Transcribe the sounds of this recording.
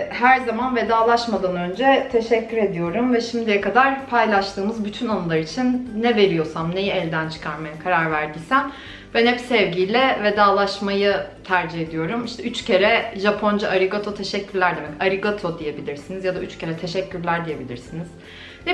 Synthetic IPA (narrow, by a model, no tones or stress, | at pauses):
ɦæɾzamanve̞d̪aːlˠaʃmad̪anø̞nd͡ʒɛt̪ʰe̞ʃɛcʰːyɾe̞d̪ijo̞ɾumvɛʃimd̪ijɛkad̪aɾpʰajlˠaʃt̪ʰɯːmɯzbyt̪ʰynanɯlˠaɾit͡ʃʰinːɛve̞ɾijo̞samne̞jiɛlʲd̪ænt͡ʃʰɯ̥kʰaɾmajakʰaɾaɾvæɾd̪isæn | b̥ænhɛpsɛvɟijlʲɛved̪aːlˠaʃmajɯt̪ʰæɾd͡ʒihe̞d̪ijo̞ɾumiʃt̪ɛyt͡ʃcʰe̞ɾɛʒapʰo̞nd͡ʒaʔaɾiɡot̪ʰot̪ʰe̞ʃɛcːyɾlʲæɾd̪emɛcaɾiɡot̪ʰo̞d̪ije̞bilʲiɾsinizjad̪ayt͡ʃcʰe̞ɾɛt̪ʰe̞ʃɛcʰːyɾlʲæɾd̪ije̞bilʲiɾsiniz̥ | nɛ